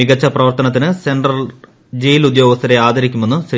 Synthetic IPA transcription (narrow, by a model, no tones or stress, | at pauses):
iɡɐt͡ɕːɐprɐʋɐrt̪ɐnɐt̪ːinɨse̞ɳɖrɐl | d͡ʑejilud̪jo̞ːɡɐst̪ʰːɐɾe̞aːd̪ɐɾikʲːume̞nːuɕ